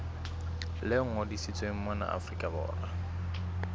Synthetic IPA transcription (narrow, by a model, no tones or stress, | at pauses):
lɪŋ̩odisit͡sʼwem̩mana̰ʔa̰frikʼabɔ̰ːra